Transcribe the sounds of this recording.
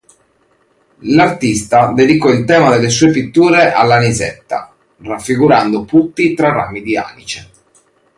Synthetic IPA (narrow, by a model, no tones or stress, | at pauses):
lart̪ist̪ad̪ɛd̪ikɔilt̪ɛːmad̪ɛlːesuːepit̪ːuːɾeʔalːanizɛ̰t̪ːa̰ | rafːiɡuɾand̪oput̪ːit̪ɾara̰mid̪ia̰ːnḭt͡ʃɛ